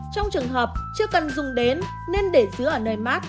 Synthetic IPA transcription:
t͡ɕɔ˧wŋ͡mt͡ɕɨ˨˩əŋɦəː˨˩p̚t͡ɕɨ˧əkə˨˩nzʊ˨˩ŋ͡mɗe˨˦nː | e˧nɗe˧˩zɨ˨˦əʔəː˧˩nəː˨˩jmaː˦˥t̚

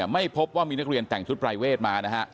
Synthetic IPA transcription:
ma˥˩jpʰo˦˥p̚waː˥˩miː˧na˦˥k̚ɾi˧ənt̪ɛ˨˩ŋt͡ɕʰu˦t̪̚pɾa˧jweː˥˩t̪̚maː˧na˦˥kʰa˦˥ʔ

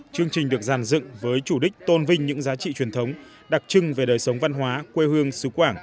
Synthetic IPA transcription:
t͡ɕɨ˧əŋt͡ɕï˨˩ŋ̟ɗɨ˨˩ək̚zaː˧˩nzɨ̰˧˨ŋvəː˨˦jt͡ɕu˧˩ɗï˥k̟̚t̪o˧nvï˧ŋ̟ɲɨ̰˧˥ŋzaː˨˦t͡ɕḭ˧˨t͡ɕwi˨˩ənt̪ʰə˨˦wŋ͡m | ɗa˨˩k̚t͡ɕɨ˧ŋve˨˩ɗəː˨˩jsə˨˦wŋ͡mva˧nɦwaː˨˦kwe˧hɨ˧əŋsɨ˨˦kwaː˧˩ŋ

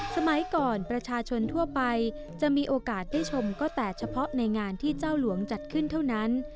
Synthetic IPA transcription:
sa˧ma˩˦jkɔː˨˩npɾa˧t͡ɕʰaː˧t͡ɕʰo˧nt̪ʰu˥˩ɐpa˧j | t͡ɕa˨˩ʔmiː˧ʔoː˧kaː˨˩t̪̚daː˥˩jt͡ɕʰo˧mkɔː˥˩t̪ɛː˨˩t͡ɕʰa˧pʰɔ˦˥ʔna˧jŋaː˧nt̪ʰiː˥˩t͡ɕaː˥˩wlu˩˦əŋt͡ɕa˨˩t̪̚kʰɯ˥˩nt̪ʰa˥˩wna˦˥n

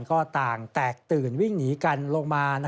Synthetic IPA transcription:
nkɔː˥˩t̪aː˨˩ŋt̪ɛː˨˩k̚t̪ɯː˨˩nwi˥˩ŋniː˩˦ka˧nlo˧ŋmaː˧na˦˥

